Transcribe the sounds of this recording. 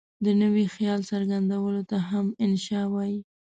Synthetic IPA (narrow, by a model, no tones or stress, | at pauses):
d̪ənəwixjɑlsaɾɡand̪awəlot̪aɦamɪnʃɑwɑji